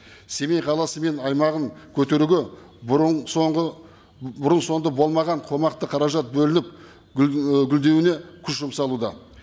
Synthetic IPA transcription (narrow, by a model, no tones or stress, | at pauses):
se̞mejqʰɑlˠɑsəme̞nɑjmɑʁəŋkʲʰɵt̪e̞ɾuɡʲe | o | bʊɾənso̞nd̪ɑbo̞lˠmɑʁɑɴqʰo̞mɑqt̪əqʰɑɾɑʒɑt̪̚bɵlɪnɪp̚ | ɡʲʏld̪e̞wɪne̞kʲʰʏsʒʊmsɑlˠud̪ɑ